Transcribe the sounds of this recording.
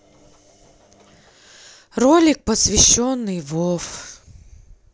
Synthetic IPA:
rolʲɪk̚pəsvʲɪɕːonːɨjvof

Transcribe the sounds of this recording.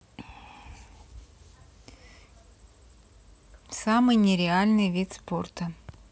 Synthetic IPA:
samɨjnʲɪɾʲɪalʲnɨjvʲit̪sport̪ə

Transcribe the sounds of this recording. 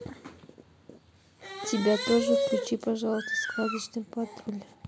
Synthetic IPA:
tʲɪbʲat̪oʐət̪klʲʊt͡ɕipɐʐɑlˠəst̪ə̥skad̪ʲɪt͡ɕnɨmʲpɐt̪ɾolʲ

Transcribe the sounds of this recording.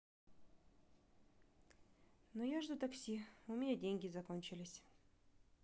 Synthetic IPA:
nojaʐd̪ut̪ɐksʲiʊmʲɪnʲadʲenʲɡʲɪzɐkonʲt͡ɕɪlʲɪsʲ

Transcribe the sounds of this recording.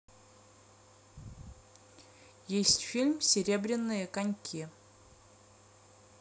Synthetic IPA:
jesʲtʲfʲilʲmsʲɪɾʲebɾʲɪnːɨjəkanʲkʲʰi

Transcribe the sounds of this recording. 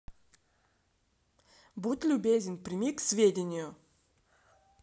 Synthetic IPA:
but̪ʲlʲubʲezʲɪnpɾʲɪmʲiksʲvʲedʲɪnʲɪjʊ

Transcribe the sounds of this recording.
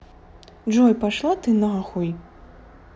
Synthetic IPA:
d͡ʒɔjpaʂlˠat̪ɨnɐɣaxuj

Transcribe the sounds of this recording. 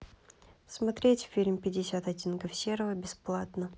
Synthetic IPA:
smɐt̪ɾʲetʲfʲilʲmʲpʲɪdʲɪsʲat̪ɐdʲinkəfsʲeɾəvəbʲɪsplˠat̪nə

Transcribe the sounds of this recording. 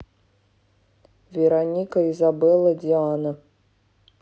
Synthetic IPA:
vʲɛɾanʲikɐizabɛlˠɐd͡zʲianɐ

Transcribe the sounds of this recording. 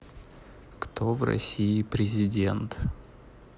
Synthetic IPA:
kt̪o̞vrɐ̰sʲiɪpɾʲɪzʲɪdʲent̪

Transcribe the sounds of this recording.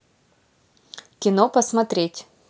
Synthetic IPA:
kʲɪnopəsmɐt̪ɾʲetʲ

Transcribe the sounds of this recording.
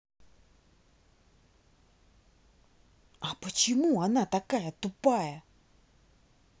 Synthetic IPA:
ʔapət͡ɕʰimuanat̪akajat̪upːaja

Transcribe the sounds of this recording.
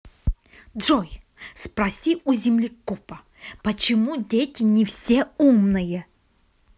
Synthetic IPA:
dʐɔj | spɾɐsʲiuzʲɪmlʲɪkupɐ | pət͡ɕɪmudʲetʲɪnʲɪfsʲeumnɨjə

